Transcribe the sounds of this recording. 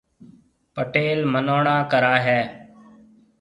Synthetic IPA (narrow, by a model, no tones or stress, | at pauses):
pəʈeːlmənoːɳãːkəɾaːɦɛː